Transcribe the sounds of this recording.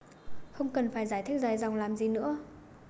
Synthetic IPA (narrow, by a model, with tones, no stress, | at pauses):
xə˧wŋ͡mkə˨˩nfaː˧˩jzaː˧˩jt̪ʰi˦˥k̚zaː˧˩jza˨˩wŋ͡mlaː˨˩mzi˨˩nɨ̰˧˥ə